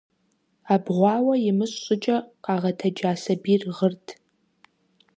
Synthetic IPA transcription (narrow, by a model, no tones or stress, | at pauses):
aːbʁʷɑːwɐjɪmɨɕɕʼʊt͡ʃʼɐqɑːʁɐtʰɐd͡ʒaːsɐbiːrʁərtʰ